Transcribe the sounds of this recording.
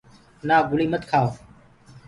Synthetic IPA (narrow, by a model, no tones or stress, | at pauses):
naːɡʊliːmət̪kʰaːo